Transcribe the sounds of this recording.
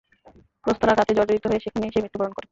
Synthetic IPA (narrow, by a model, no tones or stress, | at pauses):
pɾost̪oɾakat̪ed͡ʑoɾd͡ʑoɾit̪oɦoeʃekʰonieʃemɾit̪ːopaɾonkoɾe